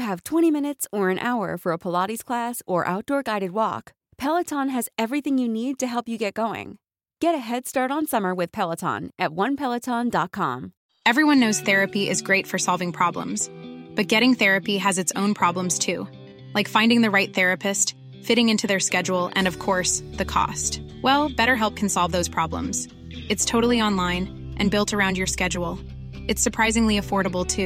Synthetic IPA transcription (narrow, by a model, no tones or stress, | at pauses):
ɨv̥tʰw̥ɛ̃ɾ̃imɪ̃ñɨtsə˞ɨ̃nʔa̰ʊə̰˞fə˞əpʰəlɑɾiz̥kʰl̥æsə˞ʔa̰ʊt̚d̥ɔɹɡaɪɾɨd̚wɔ̰k | pʰɛlˠətʰɑ̃nɨzɛvɹiθɪ̃ŋjɨnid̚tɨɦɛlˠpjɨɡɛt̚ɡ̥oʊɪ̰̃ŋ | ɡ̥ɛɾɨɦɛd̥stɑɹɾn̩sʌmə˞wɨð̥pʰɛlˠətʰɑ̰̃nʔɨt̚wʌ̃npʰɛlˠətʰɑ̃ndɑt̚kʰɑ̰̃m | ɛvɹiwʌ̃nːoʊz̥θɛɹɨpiʔɨzɡɹeɪtfə˞sɑlˠvɪ̃ŋpʰɹ̥ɑblə̰̃mz̥b̥ʌt̚ɡ̥ɛɾɪ̃ŋθɛɹɨpiɨzɨtsõʊ̃npʰɹ̥ɑblə̃mz̥tʰʉ | laɪkfãɪ̃ndɪ̃ŋðɨɹaɪt̪̚θɛɹɨpɨst | fɪɾɪ̃ŋɪ̃ntʰʉðə˞skɛd͡ʒul̩ˠɨ̰̃nʌv̥kʰɔɹsðɨkʰɔ̰stwɛlˠbɛɾə˞ɦɛlˠp̚kʰn̩sɑlˠvðoʊz̥pʰɹ̥ɑblə̰̃mz̥ | ɨtstʰoʊɾl̩ˠiɑ̃nlãɪ̃n | ʔɨ̃nbɪlˠtə˞ãʊ̃nd͡ʒjə˞skɛd͡ʒl̩ˠ | ɨtsə˞pʰɹ̥aɪzɪ̃ŋliɨfɔɹɾəbl̩ˠtʰʉ